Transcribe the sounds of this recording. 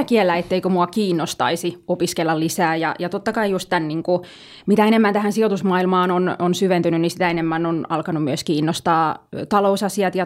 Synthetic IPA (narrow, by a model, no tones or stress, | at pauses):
kielːæet̪ːeikømuɑkiːnːost̪ɑ̰isiopiskelːɑllisæːjɑ̰jɑt̪ot̪ːɑkɑijust̪t̪ænniːŋku | mit̪æenemːænt̪æhænsiot̪usmɑːilmɑːnononsyʋent̪ynynnisi̥t̪æenemːænonɑlkɑnummyøskiːnːost̪ɑːt̪ɑlousɑsiɑt̪jɑ